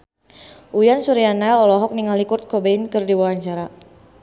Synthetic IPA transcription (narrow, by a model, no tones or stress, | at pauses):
ʔujansuɾianaɔlɔɦɔk̚niŋalikurt̪̚kɔbeinkɨrdiwawaɲt͡ʃaɾa